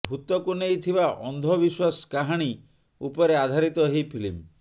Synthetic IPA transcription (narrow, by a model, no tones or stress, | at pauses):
bʱut̪ɔkunejt̪ʰibaʔɔnd̪ʱɔbiswaskaɦaɽ̃i | upɔɾead̪ʱaɾit̪ɔɦejpʰilim